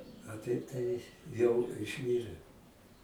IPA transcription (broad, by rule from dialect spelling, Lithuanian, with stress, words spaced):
ɐ ˈtɐɪp tɐɪ jɛʊ ɪʃʲˈmʲiːrʲɛ